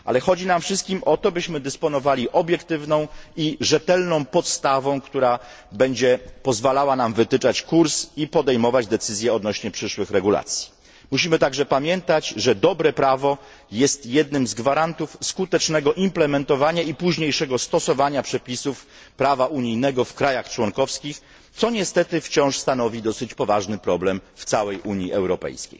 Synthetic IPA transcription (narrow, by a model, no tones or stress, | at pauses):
ʔa̰lɛxɔd͡ʑinamfʂɘst̪̚kʲimʔɔt̪ɔbɘɕmɘd̪ɘspɔnɔvalʲiʔɔbʲjɛkt̪ɘvnɔ̃w̃iʐɛt̪ɛlnɔ̃w̃pɔt̪st̪avɔ̃w̃kt̪uɾa | bɛɲd͡ʑɛpɔzvalawanamvɘt̪ɘt͡ʂat͡ɕkuɾsipɔd̪ɛjmɔvad͡ʑd̪ɛt̪sɘzʲjɛɔd̪nɔɕɲɛpʂɘʂwɘxɾɛɡula̰t̪sʲji̥ | muɕimɘt̪aɡʐɛpamʲjɛnt̪ad͡ʑʐɛd̪ɔbɾɛpɾavɔ | jɛst̪jɛd̪nɘmzɡvaɾant̪ufskut̪ɛt͡ʂnɛɡɔʔimplɛmɛnt̪ɔvaɲaipuʑɲejʂɛɡɔst̪ɔsɔvaɲapʂɛpʲisuf | pɾavaʔuɲijnɛɡɔfkɾajaxt͡ʂwɔŋkɔfskʲix | t̪sɔɲɛst̪ɛt̪ɘft͡ɕɔ̃w̃ʂst̪anɔvʲid̪ɔsɘt͡ɕpɔvaʐnɘpɾɔblɛmft̪sawɛjʔuɲiʔɛwɾɔpɛ̰jskʲḛj